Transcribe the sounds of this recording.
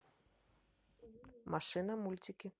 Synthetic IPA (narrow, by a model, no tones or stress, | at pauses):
maʂɨnɐmulʲt͡sʲikʲi